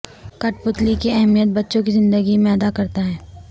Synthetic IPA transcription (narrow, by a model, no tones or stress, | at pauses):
kɐʈpʊt̪likeɛɦmijət̪̚bɐtːʃõk̬izɪ̃nd̪əɡimẽɐd̪akɐɾt̪aɦɛː